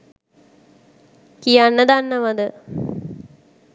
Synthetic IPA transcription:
kijanːəd̪anːəʋɐd̪ə

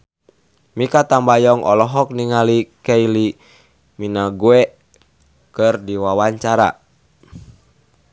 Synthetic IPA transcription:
mikat̪ambajɔŋʔɔ̰lɔɦɔk̚niŋalikɛili | minaɡuɛ | kɨrdiwawaɲt͡ʃaɾa̰

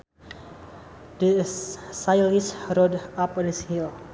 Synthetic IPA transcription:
dəsajlisɾɔdapnishil

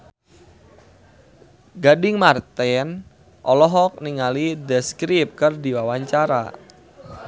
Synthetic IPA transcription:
ɡadɪŋmart̪ɛn | ʔɔlɔɦɔk̚niŋalidɛskɾip̚kɨrdiwawaɲt͡ʃaɾa̰

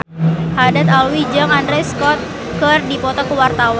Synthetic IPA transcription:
hadat̪alwid͡ʒaŋandɾɛskɔt̪̚ | kərdipɔt̪ɔkəwart̪awa

